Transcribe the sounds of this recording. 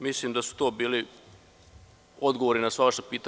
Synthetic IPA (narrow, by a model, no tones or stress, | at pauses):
misliːmd̪asu̥t̪oːbiːli | od̪ɡoʋoɾinasʋaʋaʃepiːt̪a